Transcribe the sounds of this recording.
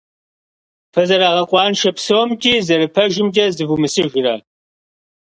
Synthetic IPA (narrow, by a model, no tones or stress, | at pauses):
pʰɐzɐɾaːʁɐqʷʼɑːnʃɐpsɐwmtʼiːzɐɾɨpʰɐʒɪmd͡ʒʼɐzɨvumɨsɨʒɪrɐ